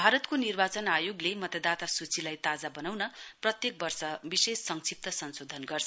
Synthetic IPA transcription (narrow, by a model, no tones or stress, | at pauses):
bʱaɾʌt̪konirbat͡sʌnajoɡlemʌt̪ʌd̪at̪asut͡sʰilajt̪ad͡zabʌnawnʌprʌt̪jek̚bʌrsʌbisesːʌŋsip̚t̪ʌsʌnsod̪ʱʌnɡʌrt͡sʰʌ